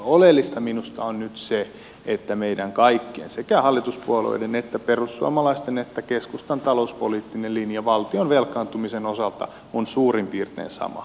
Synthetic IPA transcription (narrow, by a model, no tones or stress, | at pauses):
olelːist̪ɑminust̪ɑonnyt̪se | et̪ːæmeidæŋkɑikːiḛnsekæhɑlːit̪uspuɑlo̰idenet̪ːæperusːuɑ̰mɑlɑist̪enet̪ːækeskust̪ɑnt̪ɑlouspoliːt̪ːinellinjɑʋɑlt̪ionʋelkˑɑːnt̪umisenosɑlt̪ɑ̰ | onsuːrimpiːrt̪ḛːnsɑ̰mɑ̰